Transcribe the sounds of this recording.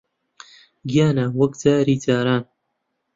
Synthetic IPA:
ɡijaːnawɐkt͡saːɾiːtaːɾaːn

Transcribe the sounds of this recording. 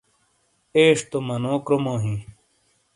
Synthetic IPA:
eːʂt̪omɐnoːkɾomoːɦĩ

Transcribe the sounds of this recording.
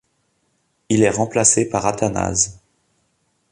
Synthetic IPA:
ilɛʁɑ̃plasepaʁat̪ana̰z

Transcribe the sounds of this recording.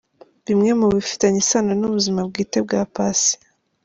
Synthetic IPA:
βimŋe̞muβifi̥taɲisananuβuzimab̚ɡiːte̞b̚ɡaːpasi̥

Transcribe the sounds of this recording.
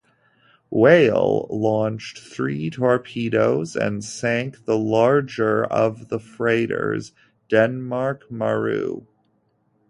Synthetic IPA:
weɪlˠlɔ̃nt͡ʃθɹitʰɔɹpʰiɾoʊzɨ̰̃nsæ̃ŋk̚ðəlɑɹd͡ʒə˞ʌ̰vðəfɹeɪɾə̰˞z | d̥ɛ̃nmɑɹkməɹʉ̰

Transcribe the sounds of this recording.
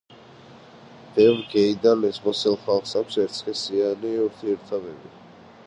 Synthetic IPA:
b̥ɛvɡɛid̪alɛsmɔsɛlˠχalˠχsakʷsɛɾt̪sʰχɛsianiuɾt̪ʰiɛɾt̪ʰavɛbi

